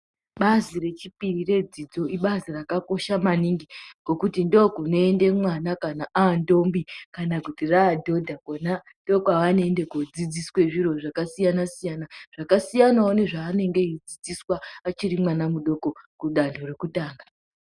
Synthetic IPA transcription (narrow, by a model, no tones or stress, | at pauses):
ɓazire̞t͡ʃipirire̞d͡zid͡zo̞iɓazirakako̞ʃamaniŋɡiɡ̥o̞kutindokuno̞ende̞mwanakanaʔaːndo̞mbikanakutiraːdʱo̞dʱakonando̞kaʋanoende̞kod͡zid͡ziswe̞ʐiɾo̞ʐakasijanasijanaʐ̥akasijanaone̞ʐaːne̞ŋɡe̞id͡zid͡ziswaat͡ʃiɾimwanamuɗo̞ko̞kuɗandʰo̞rekutaːŋɡa